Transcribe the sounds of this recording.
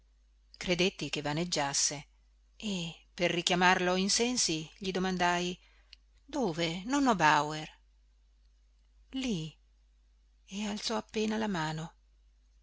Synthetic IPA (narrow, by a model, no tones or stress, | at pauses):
kɾed̪et̪ːikevaned͡ʒːasːe | eperːikjamarloinsɛnsiʎid̪omand̪aj | d̪oːvenonɔbawer | li | ealt̪sɔapːeːnalamaːno